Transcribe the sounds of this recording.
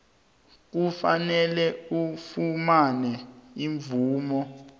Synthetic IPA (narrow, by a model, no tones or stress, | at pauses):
k̬ufanɛlɛufumanɛiɱvuːmɔ